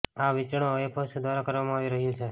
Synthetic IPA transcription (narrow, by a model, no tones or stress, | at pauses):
aʋit͡ʃɽ̃oepʰosd̪ʋaɾakəɾʋamãaʋiɾəɦjũt͡ʃʰe